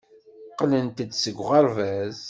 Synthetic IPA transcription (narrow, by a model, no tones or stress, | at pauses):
qlənt̪əd̪səɡʷʁəɾˤvæz